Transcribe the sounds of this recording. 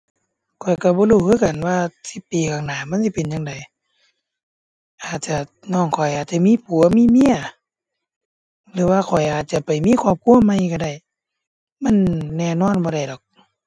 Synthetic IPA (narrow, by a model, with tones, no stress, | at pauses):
kʰɔ˨˩jka˧˩bɔː˧˦luː˧˩kʰɯː˧˥˨ka˨˩nwaː˧si˧˦pːiː˨kʰaː˨˩ŋnaː˨˩˦ma˧˥˨nsi˧˦pe˨nja˧ŋda˨j | ʔaː˨˩t̪̚t͡ɕa˧˩ | nɔː˧˩˨ŋkʰɔ˨˩jʔaː˨˩t̪̚t͡ɕa˧˨miː˧˥˨pʰuː˨˩˦ɐ˦miː˧˥˨mi˧˥˨ɐ˨ | lɯː˨˦waː˧˩kʰɔ˨˩jʔaː˨˩t̪̚t͡ɕa˧˨pa˨jmiː˧˥˨kʰwaː˧˩˨p̚kʰu˧˨ə˨ma˧˨jka˧˩da˧˩j | ma˧˥˨nːɛː˧˩˨nɔː˧˥˨nbɔː˧ɾa˧˩jdɔ˨˩k̚